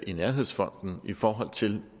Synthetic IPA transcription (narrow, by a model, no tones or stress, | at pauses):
ʔinæɐɦe̝ð̰ˠsfɒ̽n̰d̥n̩ifɒːɦɒ̽l̰t͡sʰe̝l